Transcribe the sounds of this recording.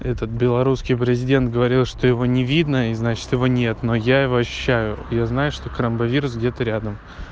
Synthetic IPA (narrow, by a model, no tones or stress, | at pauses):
ɛt̪ət̪̚bʲɪlˠɐɾuskʲɪjpɾʲɪzʲɪdʲent̪ɡəvɐɾʲilˠʂt̪o̞jɪvo̞nʲɪvʲid̪nəiznat͡ɕɪ̥t̪jɪvo̞nʲe̞t̪no̞jaɪvo̞ɐɕːʉ̥ɕːæjʊjaznajʊʂt̪o̞kɾəmbɐvʲiɾʊsɡdʲe̞t̪əɾʲad̪əm